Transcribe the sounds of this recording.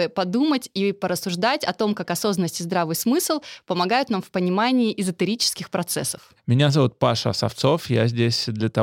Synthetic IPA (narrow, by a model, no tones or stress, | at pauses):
ɨpɐd̪umətʲipəɾəsːʊʐd̪atʲɐt̪o̞mkakɐso̞zənːəsʲtʲɪzd̪ɾavɨjsmɨslˠpəmɐɡajʊt̪namfpənʲɪmanʲɪːʔɪzət̪ɨɾʲit͡ɕɪ̥skʲɪxpɾɐt̪sɛ̰sːə̥f | mʲɪnʲazɐvut̪̚paʂəɐsɐ̰ft̪so̞fja̰zʲdʲesʲd̪lʲət̪ɐ